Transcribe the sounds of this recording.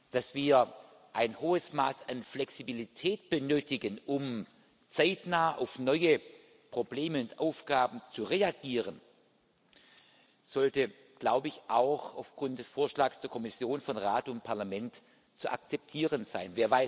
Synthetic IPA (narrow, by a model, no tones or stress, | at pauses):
d̥asv̥iːɐ | ʔaɪnhoːəsmaːsanflɛksibilitʰɛːt̚b̥ənøːtɪɡənʊm | t͡saɪtnaːəʔaʊfnɔʏə | pʁ̥obleːməʊntʔaʊfɡ̥aːbm̩t͡suʁeaɡiːʁ̞ən | z̥ɔltə | ɡ̥laʊbəɪçʔaʊxaʊfɡ̥ʁʊnt̚d̥ɛsfoːɐʃlaːksd̥eːɐkʰɔmɪsjoːnfɔnʁaːtʊnt̚pʰaɐlamɛnt | t͡suʔa̰k̚t͡sɛp̚tʰiːʁənz̥a̰ɪnveːɐvaɪ